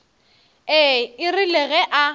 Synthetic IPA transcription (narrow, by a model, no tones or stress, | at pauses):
ɛɪrɪlɛɣɛʔa